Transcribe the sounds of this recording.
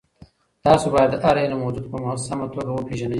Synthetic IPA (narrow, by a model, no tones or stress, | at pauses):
t̪ɑːsobɑjad̪ːəʔaɾelamowd͡ʒud̪̚pəmasamat̪oɡawəpʰeʒana